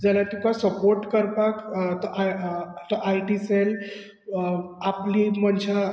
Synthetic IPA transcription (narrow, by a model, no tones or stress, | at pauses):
d͡zɛlat̪ikasəpoɾʈkəɾpakt̪ɔʔt̪ɔʔajʈisel | aplimənɕa